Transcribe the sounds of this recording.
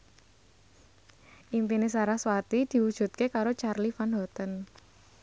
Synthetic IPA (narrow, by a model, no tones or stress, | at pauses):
ʔimpines̬aɾahswat̪id̪̥i̤wud̥ʒ̥ṳt̪̚kekaɾot͡ʃarlifanɦɔt̪ən